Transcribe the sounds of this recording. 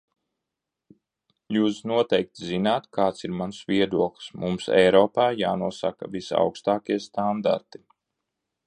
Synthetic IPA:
juːsnuɔt̪ɛjk̚t̪zinaːt̪kʰaːt̪siɾmansvʲiɛd̪uɔklˠsmumsɛ̰jɾɔːpaːjaːnuɔsaka̰visa̰wkst̪aːkʲiɛst̪and̪a̰ɾt̪i̥

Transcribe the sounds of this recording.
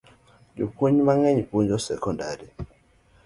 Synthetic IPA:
jukʰuɲimaŋɛɲiɸund͡ʒɔsɛkʰɔndʱa̰ɾi

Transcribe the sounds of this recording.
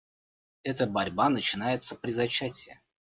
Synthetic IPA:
ɛt̪əbɐɾʲbanət͡ɕɪnajɪt̪səpɾʲɪzɐt͡ɕːætʲɪə

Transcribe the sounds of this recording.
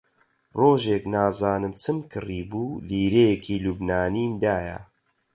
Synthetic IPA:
roːʒeːknaːzaːnɨmt͡sʰɨmkʰɨriːbuːliːɾejekʰiːluːbnaːniːmd̪aːja̰

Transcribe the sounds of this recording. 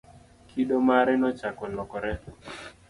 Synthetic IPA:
kʰiɗomaɾɛnɔt͡ʃakɔlɔkɔɾɛ

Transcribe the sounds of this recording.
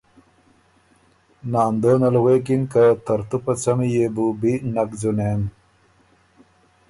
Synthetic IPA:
naːnd̪oːnɐlɣeːkinkat̪ɐɾt̪upɐt͡sɐmijebubinɐkd͡zunen

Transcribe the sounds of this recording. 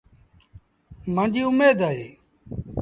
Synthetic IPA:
mə̃ːnd͡ʒiːʊmeːd̪aːɦeː

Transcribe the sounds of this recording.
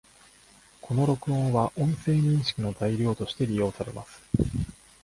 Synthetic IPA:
kʰo̞no̞ɾo̞kɯ̟õɰ̃βaʔõ̞ɰ̃se̞ːɲ̟ĩɰ̃ɕi̥kʲinozaiɾʲo̞ːt̪o̞ɕi̥t̪e̞ɾʲijo̞ːsaɾe̞̰ma̰sɨ̥

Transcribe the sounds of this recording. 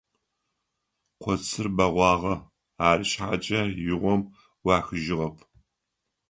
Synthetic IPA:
qʷʰɔt͡sʰɨrbɐʁʷɑːʁɐ | aːrɨɕħaːt͡ʃʼɐjɪʁʷɔm | wɑːxɨʒɪʁɐpʰ

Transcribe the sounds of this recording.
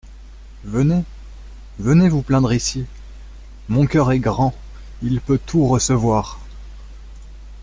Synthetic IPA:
vəne | vənevuplɛ̃d̪ʁisi | mɔ̃kʲœʁɛɡʁɑ̃ | ilpøt̪ʰuʁəsəvwaːʁ

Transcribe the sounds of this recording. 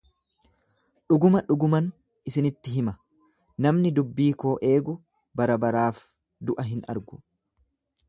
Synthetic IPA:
ᶑʊɡʊmɐᶑʊɡʊmɐn | ʔɪsɪnɪt̪ːɪɦɪmɐ | nɐmnɪd̪ʊbːiːko̞ːʔe̞ːɡʊ | bɐɾɐbɐɾaːf | d̪ʊʔɐɦɪnɐ̰ɾɡʊ̥

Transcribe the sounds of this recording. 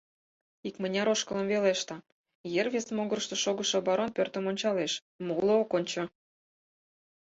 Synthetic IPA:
ikmənʲɑɾoʃkələ̆mveleʃt̪ɑ | jerβʲesmoɣərʃt̪ə̆ʃoɣə̆ʃŏbɑɾonpørt̪ə̆monʲt͡ɕɑleʃ | molookonʲt͡ɕo

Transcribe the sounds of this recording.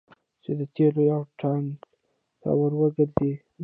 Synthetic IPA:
t͡ʃed̪ət̪ʰelojawʈʰaŋɡ | sa̰wəɾwəɡəɾd̪i

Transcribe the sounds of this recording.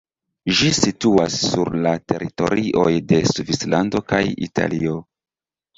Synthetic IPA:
ʒisituasːuɾlate̞ɾito̞̰ɾiʔo̞jde̞suvislando̞kajḭta̰lio̞

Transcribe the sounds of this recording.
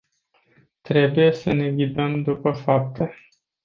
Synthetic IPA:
t̪ɾe̞buje̞səne̞ɡʲid̪əmd̪upəfap̚t̪ʰe

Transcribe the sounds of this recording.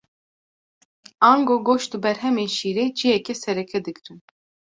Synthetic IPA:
aːŋɡoːɡoːʃd̪ɨbɛɾɦɛmeːnʃiːɾeːd͡ʒijɛkɛsɛɾɛkʰɛd̪ɨkɾɨn

